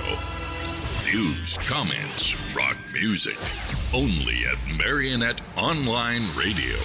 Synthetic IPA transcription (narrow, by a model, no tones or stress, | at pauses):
ʊ | d̥ʉbz̥kʰɑmɛ̰̃ntsɹɑ̰k̚mjʉzɪ̰kõʊ̃nlḭɨ̰t̚mɛɹiɨnɛɾɑ̃nlãɪ̃nɹeɪɾḭo̰ʊ